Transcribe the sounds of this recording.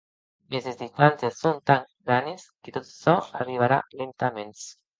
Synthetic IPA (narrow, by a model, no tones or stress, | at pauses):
mezezdist̪ansesːont̪aŋɡɾanesket̪ot̪sɔariβ̞aɾa̰lent̪amens